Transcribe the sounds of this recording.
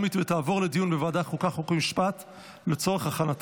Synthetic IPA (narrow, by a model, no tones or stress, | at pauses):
mit̪vet̪aːvo̞ʁled̪ijunbevaːd̪akolkaχokimiʃpat̪ | let͡so̞ʁeχaχanat